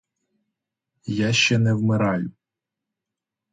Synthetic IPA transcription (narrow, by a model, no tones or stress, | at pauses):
jaʃt͡ʃɛnɛwmɪɾɑjʊ